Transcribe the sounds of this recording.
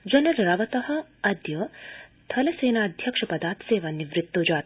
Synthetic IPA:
d͡ʒɐnɐɾɾɐʋɐt̪ɐɦɐ̆ɐd̪jɐt̪ʰɐleseːnaːɐd̪ʱjɐkʂɐpɐd̪aːt̪seːʋaniʋɾɪt̪ːoːd͡ʒaː

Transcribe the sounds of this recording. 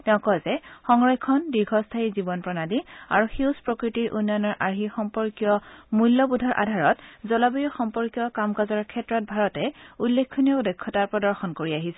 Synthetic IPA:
tɛʊ̃kɔzɛxɔŋɹɔjkʰɔndiɹɡʱɔstʰaizibɔnpɹɔnadia̰ɹuxuwspɹɔkɹitiɹʔunːɔjnɔɹʔaɹɦixɔmpɔɹkijɔmulːɔbudʱɔɹʔa̰dʱaɹɔtzɔlabijɔxɔmpɔɹkijɔkamkazɔɹkʰɛtːɹɔt̚bʱaɹɔtɛulːekʰːɔniɔdɔkʰːɔtaɹpɹɔdɔɹxɔnkoɹiaɦisɛ

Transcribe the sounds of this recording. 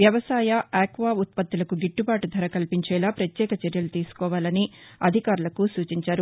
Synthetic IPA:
ʋjɐʋɐsaːjɐɛːkʋaːut̪̚pɐt̪ːilɐkuɡiʈːubaːʈud̪ʱɐɾɐkɐlpiɲt͡ʃɛːlaːpɾɐt̪jɛːkɐt͡ʃɛɾjɐlut̪iːsu̥kɔːʋaːlɐniɐd̪ʱikaːɾulɐkusuːt͡ʃiɲt͡ʃaːɾu

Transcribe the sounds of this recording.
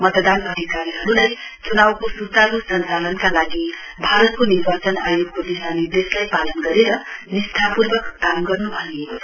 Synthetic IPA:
mʌt̪d̪anʌd̪ʱikaɾiɦʌɾulajt͡sunawkosut̪aɾusʌnt͡salʌnkalaɡi | bʱaɾʌt̪̚koniɾbat͡sʌnajɾop̚kodisanid̪eslajpalʌnɡʌɾeɾʌnist̪ʰapurbʌkːamɡʌrnubʱʌne

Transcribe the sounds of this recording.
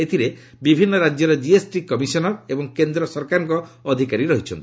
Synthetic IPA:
et̪ʰiɾe | bibʱinːɔɾad͡ʒjɔɾed͡ʒiesʈikɔmisɔnɔɾebɔŋkend̪ɾɔsɔɾkaɾɔŋkɔːd̪ʱikaɾiɾɔɦit͡ʃʰɔnt̪i̥

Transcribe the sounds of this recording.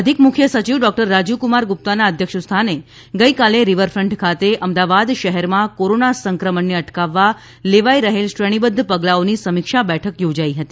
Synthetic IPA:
əd̪ʱikmʊkʰjəsət͡ʃiʋɖɔk̚ʈəɾːad͡ʒukumaɾɡup̚t̪anaəd̪ʱjəkʃəst̪ʰane | ɡəikaleɾiʋəɾfɾəɳʈkʰat̪eʔəmd̪aʋad̪ʃəɦɛɾmãkoɾonasəŋkɾəməɳːeəʈkaʋːa | leʋaiɾəɦelʃɾəɽ̃ibəd̪ʱːpəɡlaonisəmikʃabɛʈʰəkjod͡ʒaiɦət̪i

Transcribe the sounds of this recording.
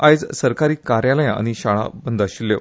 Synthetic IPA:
ajd͡zsəɾkaɾiːkaɾjaləjãa̰ñiɕaɭa̰bənd̪ʱaɕilːjḛ

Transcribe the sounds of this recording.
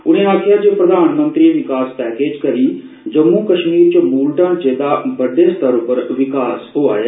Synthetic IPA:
ʊɽ̃ẽːaːkʰɪjaːd͡ʒeːpɾəd̪aːnmənt̪ɾiːeːʋɪkaːspɛːkeːd͡ʒkəɾiː | d͡ʒəmːuːkəʃmiːɾt͡ʃmuːlɖãːnt͡ʃeːd̪aːbəɖeːst̪əɾʊpəɾʋɪkaːsɦoːa̰ːjaː

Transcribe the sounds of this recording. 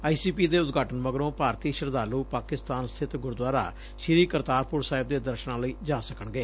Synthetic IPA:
aːiːsiːpiːd̪eːʊt̪ɡʱaːʈənməɡɾõːpaːɾt̪iːʃəɾd̪aːluːpaːkɪst̪aːnst̪ʰɪt̪ɡʊɾd̪waːɾa̰ː | ʃɪɾiːkəɾt̪aːɾpʊɾsaːɪb̚d̪eːd̪əɾʃnãːləiːd͡ʒaːsəkəɳɡeː

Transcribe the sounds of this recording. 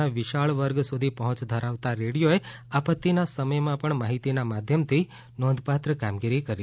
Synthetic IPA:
aʋɪʃaɭʋəɾɡsud̪ʱipəɦɔ̃t͡ʃd̪ʱəɾaʋt̪aɾeɽijoeapət̪ːinasəməjmãpəɳmaɦit̪inamad̪ʱjəmt̪ʰi | nɔnd̪ʱpat̪ɾəkamɡiɾikəɾi

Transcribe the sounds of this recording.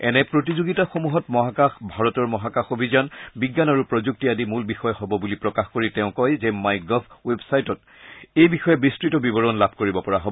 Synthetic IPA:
ɛ̰nɛpɹotizoɡitaxomuɦɔtmɔɦakaxbʱaɹɔtɔɹmɔɦakaxobʱizanbiɡːanaɹupɹɔzuk̚tiadimulbixɔjɛhɔbɔbulipɹɔkaxkoɹitɛʊ̃kɔjzɛmajɡɔbwebsajtɔt | ejbixɔjɛbɹistɹitɔbibɔɹɔnlabʱkoɹibɔpɔɹaɦobɔɔ

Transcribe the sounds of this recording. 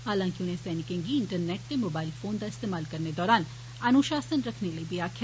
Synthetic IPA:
ɦaːlãːŋkiʊnɦẽsɛːnɪkẽːŋɡiɪɳʈəɾneːʈ̚t̪emoːbaːɪlfoːnd̪aɪst̪eːmaːlkɐɾned̪ɔːɾaːn | ɐnuʃaːsənɾɐkʰnelɐibiaːkʰː

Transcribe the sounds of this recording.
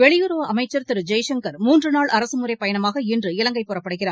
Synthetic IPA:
ʋɛɭɪjɯɾoʋɐʔɐmɐɪt͡ʃːɐɾt̪ɪɾɯd͡ʒɐjʂɛŋkɐɾmuːndrɯnaːɭʔɐɾɐsɯmɯrɐɪpːɐjɐnɐmaːɣɐɪndrɯɪlɐŋɡɐɪpɔrɐpːɐɽɯɣɪraːɾ

